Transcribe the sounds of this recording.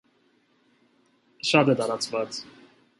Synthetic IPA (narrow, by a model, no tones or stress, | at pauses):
ʃɑd̪ɛt̪ɑɾɑt͡sʰvɑt͡s